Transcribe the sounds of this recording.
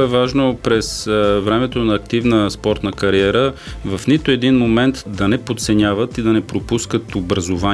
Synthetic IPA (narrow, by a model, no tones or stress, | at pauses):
ɛvaʒnopɾɛsvɾɛmɛt̪onɐːk̚t̪ivnəspɔɾt̪nəkɐɾiɛɾəvɐfnit̪ʊɛd̪inmomɛnt̪d̪ɐnɛpot̪sɛnʲavət̪id̪ɐnɛpɾopuskət̪obɾɐzova